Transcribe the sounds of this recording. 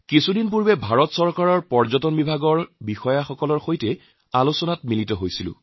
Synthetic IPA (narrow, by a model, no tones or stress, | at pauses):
kisudinpuɹbɛbʱaɹɔtsɔɹkaɹɔɹpɔɹzɔtɔnbibʱaɡɔɹbixɔjaxɔkɔlɔɹxojtɛ | alusɔnatmilitɔɦojsilʊ̰̃